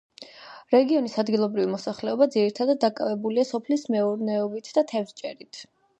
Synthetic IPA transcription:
ɾɛɡiɔnisad̪ɡilˠɔbɾivimɔsaχlɛɔbad̪ziɾit̪ʰad̪ad̪̚ːakʼavɛbuliasɔpʰlismɛuɾnɛɔbit̪ʰd̪at̪ʰɛvt͡ʃʼɛɾit̪ʰ

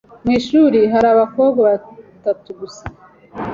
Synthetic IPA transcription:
mŋiːʃuɾiɦaɾaːβako̞ːbɡaβatatuɡusḁ

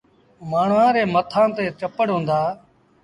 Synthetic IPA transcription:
maːɳ̤ʋãːɾeːmət̪ʰãːt̪eːt͡ʃəpəɽɦõːnd̪aː

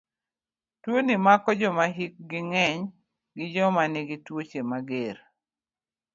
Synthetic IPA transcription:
twonimakɔd͡ʒɔmaɦik̚ɡɪŋɛɲ | ɡɪd͡ʒɔmanɪɡɪtwot͡ʃemaɡeɾ

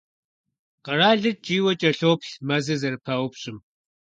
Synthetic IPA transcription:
qɐɾaːɮɨt͡ʃʼiːwɐt͡ʃʼɐɬoːpɬmɐzɨzɐrpʰɐwʊpɕʼɪm

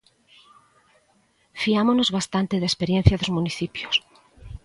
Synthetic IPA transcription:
fiamonozβast̪ant̪ɪðespeɾjẽn̟θjaðozmuniθipjos

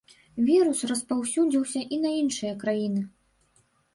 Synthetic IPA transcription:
vʲiɾusrɐspawsʲud͡zʲiwsʲɐʔinɐinʂɨjɐkɾajinɨ

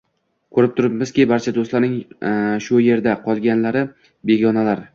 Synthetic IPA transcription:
kʰɵɾɪp̚t̪ʰʊɾɪpmɪz̥kʲɪbaɾt͡ʃʰad̪ost̪laɾnɪŋʃʊje̞ɾd̪aqʰɒlˠɡʲanlaɾɪ | be̞ɡʲɒnalaɾ

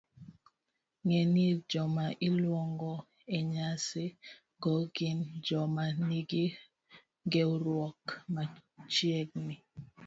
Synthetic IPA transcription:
ŋɛnid͡ʒɔmaʔilwɔŋɡɔ | eɲase | ɡɔɡind͡ʒɔmaniɡi | ɡɛuɾwɔkmat͡ʃiɛk̚ni

